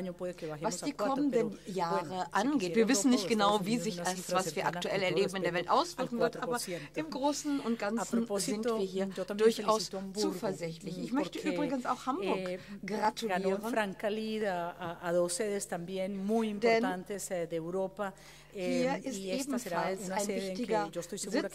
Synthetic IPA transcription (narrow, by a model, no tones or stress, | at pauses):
ɲopweðekeβaxevaosdiːkʰɔmənənjaːʁəʔanɡeːtviːɐvɪsn̩nɪçtɡ̥ənaʊviːzɪçasvasvviːɐʔaktuʔɛlɛɐleːbm̩ɪndeːɐvɛltʔaʊsv̥ɪkŋ̩vɪɐt̪ʔaːbɐsjenɪmɡʁoːsn̩ʊntɡ̥anasɾnoposziɪnt̪oviːɐɦiːɐd͡ʒot̪ambd̥ʊɐçaʊist̪obt͡suːfɛɐzɪçtlɪçɪçmœççtəʔyːbʁɪɡənsa̰ʊxhambʊɐɡʁatʰuɡanioːʁəfɾaŋkaliðaaːðoseðest̪ambjenmujimdɛnt̪ant̪esd̪eːwɾopa | hiːɐɪsieeːbm̩seɾalsunasɪnevðeŋtɪɡɐd͡ʒost̪ojsuzɪ